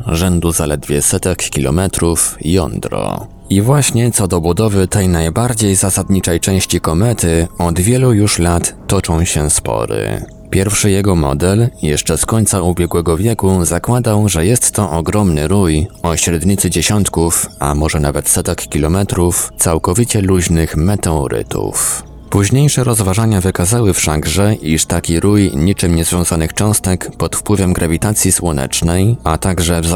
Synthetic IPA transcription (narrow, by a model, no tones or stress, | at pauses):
ʐɛnd̪uzalɛd̪vʲjɛsɛt̪ɛkːʲilɔ̰mɛt̪ɾufjɔ̰nd̪ɾɔ̰ | ivwaɕɲɛt̪sɔd̪ɔbud̪ɔvɘt̪ɛjnajbaɾd͡ʑejzasad̪ɲit͡ʂɛjt͡ʂɛ̃w̃ɕt͡ɕikɔmɛt̪ɘɔd̪vʲjɛlujuʂlat̪ːɔt͡ʂɔ̃w̃ɕɛspɔ̰ɾɘ̰ | pʲjɛɾfʂɘjɛɡɔmɔ̰d̪ɛljɛʂt͡ʂɛskɔɲt̪saubʲjɛɡwɛɡɔvʲjɛkuzakwad̪awʐɛjɛst̪ːɔʔɔɡɾɔmnɘɾujɔɕɾɛd̪ɲit̪sɘd͡ʑɛɕɔnt̪kufa̰mɔʐɛnavɛt̪sɛt̪ɛkːʲilɔmɛt̪ɾuft̪sawkɔvʲit͡ɕɛluʑnɘxmɛt̪ɛɔɾɘ̰t̪ṵf | puʑɲejʂɛɾɔzvaʐaɲavɘkazawɘfʂaɡʐɛʔiʂt̪akʲiɾujɲit͡ʂɘmɲɛzvʲjɔ̃w̃zanɘxt͡ʂɔ̃w̃st̪ɛkpɔt̪fpwɘvɛmɡɾavʲit̪at̪sʲjiswɔnɛ̰t͡ʂnɛjat̪aɡʐɛv